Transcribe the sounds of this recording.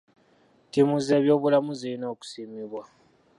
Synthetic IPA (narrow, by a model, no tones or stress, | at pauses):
timuze̞ːβjo̞ːβulamuziino̞ːku̥siːmiβwa